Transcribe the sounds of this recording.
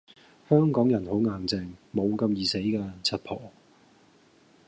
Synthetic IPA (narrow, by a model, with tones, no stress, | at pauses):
hœː˥ŋkɔː˨˥ŋjɐ˨˩nho˨˥wŋaː˨˩ŋt͡sɛː˧ŋmo˨˧wkɐ˧mjiː˨se˨˥jkɛː˧t͡sʰɐ˨t̚pʰɔː˨˩